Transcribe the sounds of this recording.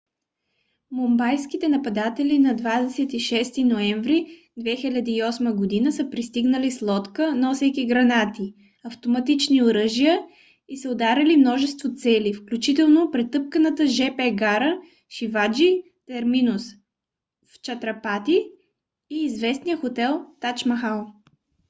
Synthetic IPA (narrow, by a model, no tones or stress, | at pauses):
mombajskit̪ɛnɐpɐd̪at̪ɛlinɐd̪vad̪ɛsɛt̪iʃɛst̪inoɛɱvɾi | d̪vɛxilʲɐd̪iiɔsməɡod̪inəsəpɾist̪iɡnəlislˠɔt̪kənɔsɛjk̪ʲiɡɾɐnat̪i | ɐft̪omɐt̪it͡ʃnioɾəʒijə | isəod̪aɾʲɐlimnɔʒɛst̪vot̪sɛlifklʲut͡ʃit̪ɛlˠnopɾɛt̪ɤp̚kənət̪əʒɛpɛɡaɾə | ʃivad͡ʒi | t̪ɛɾminʊs | ft͡ʃɐt̪ɾɐpat̪iː | zvɛsnijəxot̪ɛlˠt̪at͡ʃmɐxalˠ